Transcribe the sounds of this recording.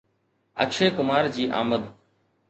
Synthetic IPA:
ə̰kʃʰeːkʊmaːɾd͡ʑiːʔa̰ːməd̪

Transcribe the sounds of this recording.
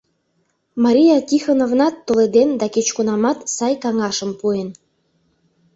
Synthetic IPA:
mɑɾʲijɑkʲixonovnɑt̪ːoled̪end̪ɑket͡ɕkunɑmɑt̪sɑjkɑŋɑʃəmpuen

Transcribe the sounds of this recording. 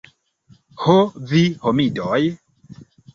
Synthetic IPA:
hovihomidoj

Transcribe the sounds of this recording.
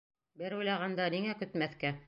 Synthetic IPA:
bɘɾujlˠɑʁɑnd̪ɑniŋækɵ̆t̪mæθkæ

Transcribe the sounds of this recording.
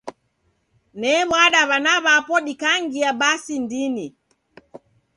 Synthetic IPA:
nɛβwaɗaβanaβapɔɗikaŋɡiaɓasindini

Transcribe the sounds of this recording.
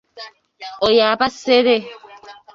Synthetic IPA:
ojaːbaseɾe

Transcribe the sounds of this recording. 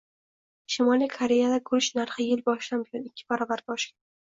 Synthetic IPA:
ʃɪmɒlikʰaɾe̞jad̪akʰʊɾɪʃnaɾχɨjɪlbɒʃlanbɪjɒnɪkʲʰːɪ̥baɾɒbaɾbɒʃkʲa

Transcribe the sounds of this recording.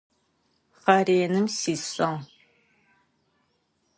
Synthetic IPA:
χɐreːnɨmsiːɕɐŋ

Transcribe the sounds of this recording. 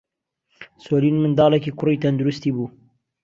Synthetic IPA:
soːliːnmɨnd̪ɑːlɛkiːkʰʊɾiːt̪ɐnd̪ʊɾʊst̪iːbuː

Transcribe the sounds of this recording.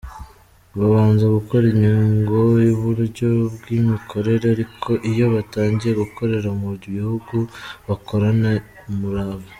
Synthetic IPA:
βaβaːnzaɡuko̞ɾiɲiŋɡojuβuɾɟo̞bɡimikʰo̞ɾe̞ɾeaɾikʰo̞ʔijo̞βataːɲɟieɡukʰo̞ɾe̞ɾamuɾiβihuɡuβakʰo̞ɾana | muɾaβa

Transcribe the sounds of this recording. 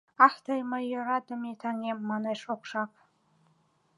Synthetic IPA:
aħtʰajmajorad̪amitʰaŋemːanajʂʼokʷʰʂapʰʼ

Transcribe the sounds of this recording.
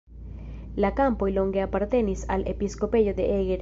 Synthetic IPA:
lakampoiloŋɡeapaɾt̪enisa̰lḛpiskopeʝoðeʔeɣeɾ

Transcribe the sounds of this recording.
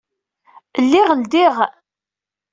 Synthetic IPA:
lːiʁəld̪iʁ

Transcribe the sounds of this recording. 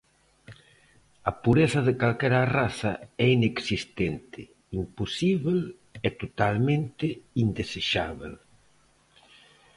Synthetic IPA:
ɐpuɾeθɐðekalkɛɾaraθɐɛineksist̪ɛnt̪ɪ | impusiβel | ɛt̪ot̪almẽnt̪ɪind̪eseʃaβḛl

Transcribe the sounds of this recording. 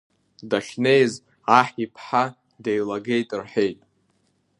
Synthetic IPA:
daʃne̞jz | aħipʰħa | de̞jlaɡejtʼɨrħe̞jtʼ

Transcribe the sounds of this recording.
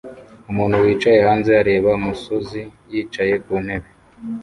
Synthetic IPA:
umuːnhuwiːt͡ʃaje̞haːnze̞aɾe̞ːβaumusozijiːt͡ʃaje̞kuːnhe̞βe

